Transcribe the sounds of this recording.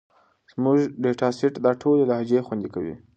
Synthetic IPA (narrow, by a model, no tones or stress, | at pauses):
z̥muʒɖeʈɑsɪʈd̪ɑʈʰolelɑɦd͡ʒexwand̪ikawḭ